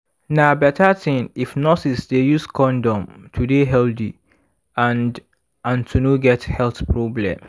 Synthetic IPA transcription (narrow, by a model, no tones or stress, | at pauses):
nabɛtatĩnifnɔsisdejuskɔ̃ndɔ̃mtʰudeɦɛldḭ | ãnd | ãntʰunuɡɛthɛlθpɹɔblɛ̰̃m